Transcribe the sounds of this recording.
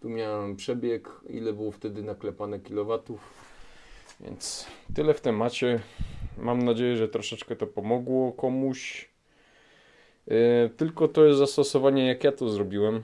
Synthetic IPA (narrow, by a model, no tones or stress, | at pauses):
t̪umʲjawɛmpʂɛbʲjɛkḭlɛbɘwɔft̪ɛd̪ɘnaklɛpanɛkʲilɔvat̪uf | vʲjɛ̰nt̪st̪ɘlɛft̪ɛmat͡ɕɛmamnad͡ʑejɛʐɛt̪ɾɔʂɛt͡ʂkɛt̪ɔpɔmɔɡwɔkɔmuɕ | t̪ɘlkɔt̪ɔjɛst̪zast̪ɔsɔvaɲɛjakjat̪ɔzɾɔbʲiwɛm